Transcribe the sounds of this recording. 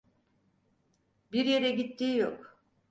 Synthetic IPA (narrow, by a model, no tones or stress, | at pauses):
biɾje̞ɾɛɟit̪ʰːiːjo̰k